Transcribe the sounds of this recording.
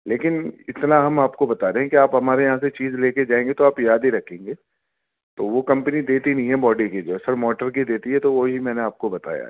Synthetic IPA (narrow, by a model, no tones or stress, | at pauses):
leːkɪnɪt̪naɦɐmaːpkobɐt̪aːɾeɦɛ̃kiaːpɦɐmaːɾejɐɦãset͡ʃiːzleːked͡ʒaːẽːŋɡet̪oaːpjaːd̪iɾɐkʰẽːŋɡeː | t̪oʋokɐ̃mpənid̪eːt̪inɐɦĩɦɛbɔːɖiked͡ʒoːsɐɾmɔːʈəɾkid̪eːt̪iɦɛt̪oʋoɦimɛːneaːp̚kobɐt̪a̰ːja̰ɦɛ